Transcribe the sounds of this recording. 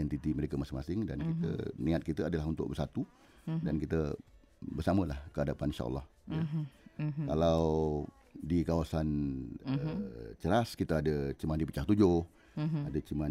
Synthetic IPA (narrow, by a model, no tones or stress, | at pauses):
ɛnt̪it̪iməɾekəmasɪŋmasɪŋdankit̪ə̰nĩat̪̚kit̪əadəlaɦunt̪ʊ̰ʔ̚bərsat̪u | dankit̪ə | bərsaməlahkəadapaninʃa̰ʔə̰lːɑh | a | kalaw | dikawasanət͡ʃəɾaskit̪əadət͡ʃəmandipət͡ʃaht̪ud͡ʒʊh | adət͡ʃəman